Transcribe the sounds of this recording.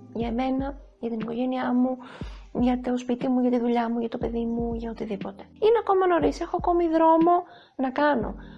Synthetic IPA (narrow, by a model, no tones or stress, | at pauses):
ʝɐeme̞nɐ | ʝɐt̪iniko̞ʝe̞niɐmuʝɐt̪o̞spit̪imuʝɐt̪iðuʎɐmuʝɐt̪o̞pe̞ðimuʝɐot̪iðipo̞t̪e̞̥ineɐko̞mɐno̞ɾise̞xo̞ɐko̞miðɾo̞mo̞ | nɐkɐno̞̰